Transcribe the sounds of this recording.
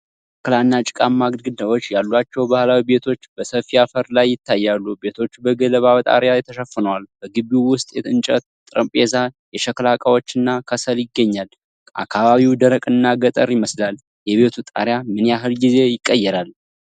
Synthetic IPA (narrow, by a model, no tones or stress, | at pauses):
kːɨlanːat͡ʃʼɪkʼamːaɡd̪̚ɡɨd̪awo̞t͡ʃːjalːwat͡ʃːɛwbahlawibe̞t̪ʰo̞t͡ʃːb̥əsəfiafəɾlajːɪt̪ʰːajːalːube̞t̪ʰo̞t͡ʃːubəɡələβaβət̪ʼa̰ɾjajɛt̪ʰəʃəfɨnəwalbəɡɨβiwwʊst̪ʼjɛt̪ʼɨnt͡ʃʼət̪̚t̪ʼɾəmpʼesajɛʃəklakʼawo̞t͡ʃːɨnːakʰəsəljɪɡːəɲːal | ʔa̰kʰːaβaβiwd̪əɾəkʼɨnːaɡət̪ʼəɾjɪməslal | jɛβe̞t̪ʰut̪ʼa̰ɾjamɨnjaɦɨlɡize̞jɪkʼːəjːɛɾal